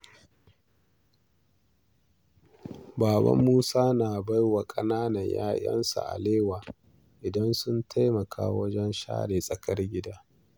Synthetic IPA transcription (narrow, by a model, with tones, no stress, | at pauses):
baː˨bɐ̰˦mːuː˦saː˦naː˨ba˦jwa˨kʼɐ˦naː˦nɐ˨ɲja̰ː˦jʔɐ̰˦nsa̰˨ʔa̰˨leː˦waː˨ | ʔɪ˨dɐ˦nsʊ˦ntʰa˦jmɐ˨kʰa̰ː˦wɐ˦d͡ʒɛ˦nʃa̰ː˦ɽeː˨sʼɐ˨kɐ˦rɡʲɪ˦daː˦